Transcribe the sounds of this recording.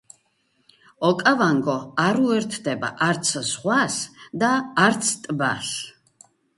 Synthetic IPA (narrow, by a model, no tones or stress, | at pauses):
ɔkʼavaŋɡɔaɾuɛɾt̪ʰd̪ɛba̰ʔaɾt̪sʰsχwasd̪aːɾt̪sʰt̪ʼba̰s